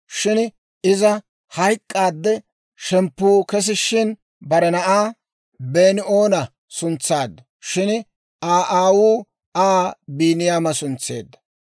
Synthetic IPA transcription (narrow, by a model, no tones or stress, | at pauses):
ʃɪn | ɪzɐ | hɐjkʼːaːd̪ːɛ | ʃɛmpːuːkɛs̬ɪʃːɪn | bɐɾɛnɐʔaː | beːnɪʔoːnɐ | sʊnt͡sːaːd̪ːɐ | ʃɪn | ʔaːʔaːwuː | aːbiːnɪjaːmɐsʊnt͡sːḛːd̪ːɐ̥